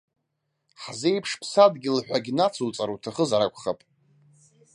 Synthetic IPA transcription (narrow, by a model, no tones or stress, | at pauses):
ħzejpʰʂpʰsadɡʲɪlħᶣʷaɡʲinat͡sʰut͡sʼaɾutʰaχəzaɾakʷʰʼχapʼ